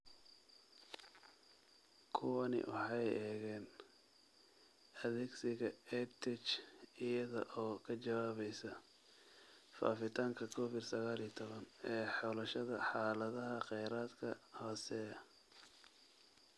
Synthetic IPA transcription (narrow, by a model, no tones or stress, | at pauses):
kʰʊwɐnɪ̰wʔɑ̰ħɑjɛːɣɛːn | ɐðɛːɡsɪɣɐɛt̪ʰɛt͡ʃɪjɐðɔʔɔːkʰɐt͡ʃɐwaːβɛjsɐ | fa̰ːfɪt̪ʰaːŋkʰɐkʰɔːfɪd̪sɐɣaːlit̪ʰɔβɐnɛːħɔːlɐʃɐðɐħɑːlɐðɐɦɐqɛjɾaːd̪kʰɐhɔːsɛ